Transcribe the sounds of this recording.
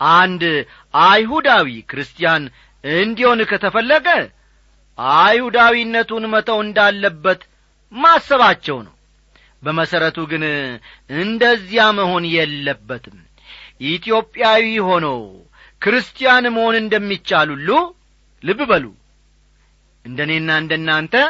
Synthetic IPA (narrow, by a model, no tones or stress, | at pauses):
ʔand̪ | ʔajɦud̪awikɾɨst̪ʰʼijan | ɨnd̪iho̞nkʰət̪ʰəfəlːəɡə | ʔajhud̪awinːət̪unmət̪ʰəwɨnd̪alːəbːət̪ | masːəβat͡ʃːɛwnə̰w | bəməsəɾət̪ʰuɡɨn | ɨnd̪əzːijaməho̞njɛlːəbːət̪ʰɨm | ʔit̪ʰjo̞pʼːjawiho̞nəw | kɾɨst̪ʰijanməho̞nɨnd̪əmːit͡ʃːalulːu | lɨβbəlṵ | ʔɨnd̪əne̞nːaɨnd̪ənːant̪ʰə